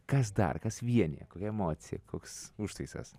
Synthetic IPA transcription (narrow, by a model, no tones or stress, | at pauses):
kɐs̬d̪ɐ̰rkɐsʋʲiɛnʲḭːkoːkʲɛɛmoːt̪sʲɪjɛ̰koːksuʃt̪ɐɪsɐ̰s